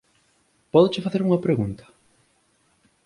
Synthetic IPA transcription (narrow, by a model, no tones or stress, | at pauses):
pɔðʊt͡ʃɪfaθeɾuŋɐpɾeɣunt̪ɐ̥